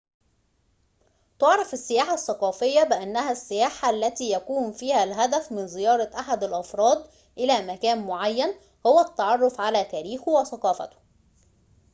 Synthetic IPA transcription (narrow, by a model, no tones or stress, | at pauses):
t̪oʕɾˤɑfɪsːɪjaːħasːɑqɑːfɪjːabɪʔænːæhæsːɪjaːħaʔlːæt̪iːjækuːnfiːhælɦæd̪æfmɪnzɪjɑːɾˤɑʔaħad̪ælʔɑfɾˤɑːd̪ˤ | ʔɪlæːmækæːnmoʕajːæn | howæt̪ːɑʕɑrˤːofʕalæːt̪æːɾiːxwæθɑqɑːfɑ̰t̪ʊ̥